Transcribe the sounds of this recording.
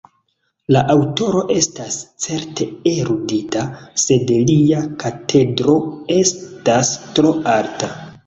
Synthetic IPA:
laʔawto̞ɾo̞ʔe̞stast͡se̞ɾtʰe̞eɾuditase̞dliakatʰe̞dɾo̞e̞stastɾo̞aɾta

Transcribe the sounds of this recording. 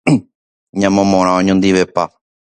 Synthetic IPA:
ɲãmõmõɾ̃ãõɲõnd̪iʋepa

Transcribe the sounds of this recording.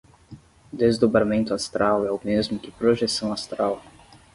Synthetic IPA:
d̪ezd̪obɾamẽnt̪ʊast̪ɾawɛʊmezmʊkɪpɾoʒesɐ̃w̃ast̪ɾaw

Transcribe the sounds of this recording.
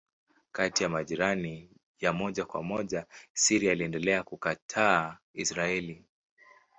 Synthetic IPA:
katijamaʄiɾani | jamɔʄakwa̰mɔʄasiɾiaːliɛndɛlɛakukatʰaː | isɾaɛli

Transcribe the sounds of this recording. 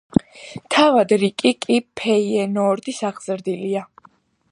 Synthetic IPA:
t̪ʰavad̪ɾikʼikʼipʰɛiɛnɔːɾd̪isaʁz̥ɾd̪ilia

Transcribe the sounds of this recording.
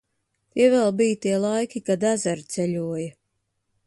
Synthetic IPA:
t̪iɛvɛlˠbijt̪iɛlˠajkʲikad̪æzaɾt̪sɛʎʲuɔja

